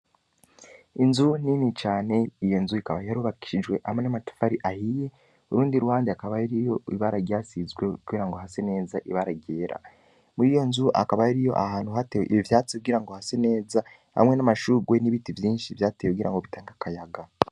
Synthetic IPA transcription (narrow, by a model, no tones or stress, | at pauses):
inzuninit͡ʃaːne̞ijo̞nzuikaβajaɾuβaki̥ʃiʒɡwe̞ʔamenamatḁfaɾiʔahije̞ | uɾuːndiɾuaːndiakaβaiɾijo̞iβaɾaɾjaːsizɡwe̞uɡiɾaŋɡo̞ɦasene̞ːzaʔiβaɾaɟe̞ːɾʔa̰ | mujijo̞nzuʔa̰kaβajiɾijo̞̰ʔahaːn̥huɦateweiβivjaːt͡sikuɡiɾaŋɡohasene̞ːza | ha̰mŋe̞namaʃuɡwe̞niβitivjiːnʃivjaːteekuɡiɾa̰ŋɡo̞βitaːŋɡakajaɡa